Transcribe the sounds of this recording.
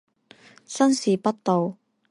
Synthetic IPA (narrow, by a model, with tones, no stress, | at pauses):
sɐ˥nsiː˨pɐ˥t̚t̪o˨w